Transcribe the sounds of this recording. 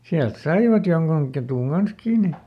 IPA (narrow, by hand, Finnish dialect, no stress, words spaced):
siælt sɑiʋɑt joŋkuŋ ketuˑŋ ɡ̊ɑns kiːni